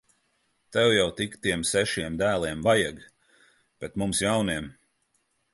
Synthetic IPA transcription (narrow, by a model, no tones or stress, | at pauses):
t̪ɛwjawt̪ikt̪iɛmsɛʃiɛmd̪æːlˠiɛmvajaɡ | b̥ɛt̪mumsjawniɛm